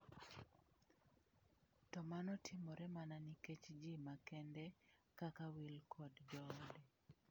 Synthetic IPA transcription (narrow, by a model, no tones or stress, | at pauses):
tɔmanɔtʰɪmɔɾɛmananiket͡ʃd͡ʒimakɛndɛkakawilkʰɔdd͡ʒɔdɛ